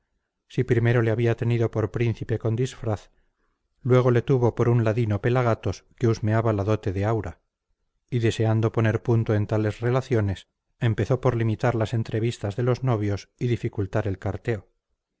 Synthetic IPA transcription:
sipɾime̞ɾo̞le̞aβiat̪e̞niðo̞poɾpɾin̟θipe̞ko̞nd̪isfɾaθ | lwe̞ɣ̞o̞le̞t̪uβo̞po̞ɾunlaðinope̞laɣ̞at̪o̞ske̞uzmeaβalaðo̞t̪e̞ðe̞awɾa | iðe̞se̞and̪o̞po̞ne̞ɾpunt̪oe̞nt̪ale̞sre̞laθjo̞ne̞s | e̞mpe̞θo̞po̞ɾlimit̪aɾlase̞nt̪ɾe̞β̞ist̪azðe̞lo̞zno̞β̞jo̞siðifikult̪aɾe̞lkaɾt̪e̞o

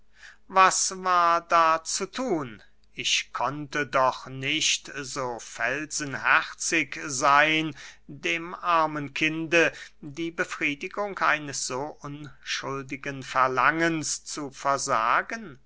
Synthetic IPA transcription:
vasvaːɐdaːt͡sutʰuːn | ɪʃkʰɔntədɔχnɪʃtzoːfɛlz̥ənhɛʁt͡sɪkzaɪndeːmʔaɐmənkʰɪndədiːbəfʁ̥iːdɪɡʊŋkʔa̰ɪnəsz̥oːʔʊnʃʊldɪɡənfɛɐlaŋənst͡sufɛɐza̰ːɡən

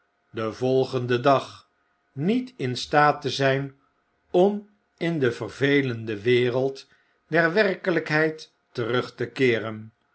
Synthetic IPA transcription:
dəvɔlˠχəndədɑχ | nitɪnstaːtəzɛjn | ɔm | ɪndəvərvejləndəʋɪːrəlˠt | dɛɹʋɛrkələkɦɛjtː | ərɵχtəkɪːrən

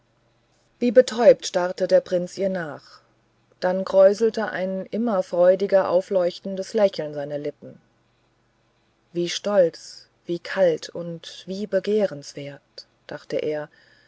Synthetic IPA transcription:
v̥iːbətʰɔʏp̚tʃtaʁtədeːɐpʁ̥ɪnt͡sʔiːɐnaːχ | d̥anɡʁɔʏzl̩təʔa̰ɪnʔɪmɐfʁ̥ɔʏdɪɡɐʔa̰ʊflɔʏçtn̩dəslɛçl̩nzaɪnɐlɪpm̩ | viːʃtɔlt͡s | v̥iːkʰaltʰʊntv̥iːbəɡeːʁənsv̥eːɐt | d̥aχtəʔeːɐ

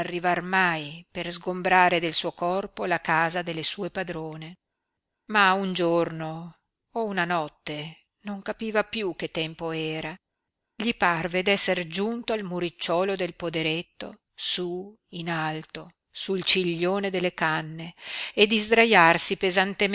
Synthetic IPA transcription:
arːivarmajperzɡombɾaːɾed̪elsuːokɔrpolakaːzad̪elːesuːepad̪ɾoːne | maund͡ʒornoː | unanɔt̪ːe | noŋkapiːvapjuk̟ːet̪ːɛmpoɛːɾa | ʎiparved̪ɛsːerd͡ʒunt̪oalmuɾit͡ʃːɔːlod̪elpod̪eɾet̪ːo̰ | su | inalt̪o | suilt͡ʃiʎːoːned̪elːekanːeed̪izd̪ɾajarsipezant̪em

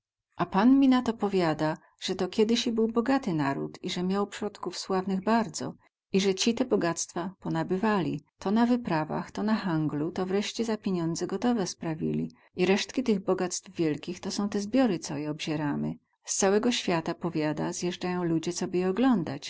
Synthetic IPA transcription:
ʔapanmʲinat̪ɔpɔvʲjad̪a | ʐ̥ɛt̪ɔkʲɛd̪ɘɕibɘwbɔɡat̪ɘnaɾṵt̪iʐɛmʲjawpʂɾɔt̪kufswavnɘɣbaɾd̪zɔ̰ | iʐɛt͡ɕit̪ɛbɔɡat̪st̪fapɔnabɘvalʲḭt̪ʰɔnavɘpɾava̰xt̪ɔnaxaŋɡlut̪ɔvɾɛʂt͡ɕɛzapʲjeɲɔnd̪zɛɡɔt̪ɔvɛspɾavʲḭlʲḭ | iɾɛʂt̪kʲit̪ɘɣbɔɡat̪st̪vvʲjɛlkʲixt̪ɔsɔ̃w̃t̪ɛzbʲjɔɾɘt̪sɔjɛɔbʑɛɾamɘ̰ | st̪sawɛɡɔɕfʲjat̪apɔvʲjad̪a̰zjɛʐd͡ʐajɔ̃w̃lud͡ʑɛt̪sɔbɘjɛɔɡlɔnd̪at͡ɕ

